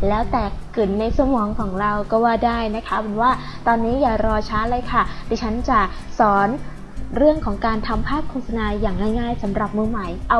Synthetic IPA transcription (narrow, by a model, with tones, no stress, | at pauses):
lɛː˦˥wt̪ɛː˨˩kkːɯ˨˩nːa˧jsa˧mɔː˩˦ŋkʰɔː˩˦ŋɾa˧wkɔː˥˩waː˥˩daː˥˩jna˦˥kʰa˦˥pʰo˩˦nwaː˥˩t̪ɔː˧nːiː˦˥jaː˨˩ɾɔː˧t͡ɕʰaː˦˥lɤː˧jkʰa˥˩diː˧t͡ɕʰa˦˥nt͡ɕa˨˩sɔː˩˦n | ɾɯ˥˩əŋkʰɔː˩˦ŋkaː˧nt̪ʰa˧mpʰaː˥˩p̚kʰoː˧˩sa˧naː˧jaː˨˩ŋnaː˥˩jŋaː˥˩jsa˩˦mɾa˨˩p̚mɯ˧ma˨˩jʔa˧